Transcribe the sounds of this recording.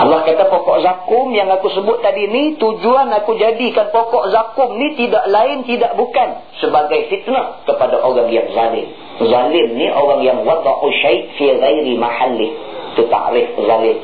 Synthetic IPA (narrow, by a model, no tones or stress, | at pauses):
ʔɑlːɑhkat̪apokɔʔzakʊmjaŋakusəbʊt̪ːadinit̪ud͡ʒuanakud͡ʒadikanpokɔʔzakʊmnit̪idaʔlaɪnt̪idaʔbukan | səbaɡajfit̪nahkəpadaʔoɾaŋjaŋzalɪm | zalɪmniʔoɾaŋjaŋwɑd̪ˤɑʔuʃajʔfiɣajɾimaħalːɪh | t̪ut̪a̰ʔɾɪfzalɪm